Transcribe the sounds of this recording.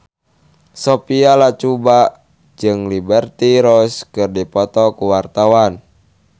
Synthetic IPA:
sɔpialat͡ʃuba | d͡ʒɨŋlibɛrt̪iɾɔskɨrdipɔt̪ɔkuwart̪awan

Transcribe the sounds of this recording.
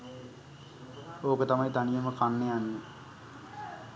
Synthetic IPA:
oːkət̪amajt̪anijəməkʰanːejanːe

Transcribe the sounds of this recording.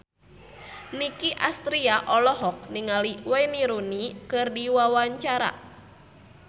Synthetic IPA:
nikiʔast̪ɾiaʔɔlɔɦɔk̚niŋaliwɛniɾunikɨrdiwawaɲt͡ʃaɾa̰

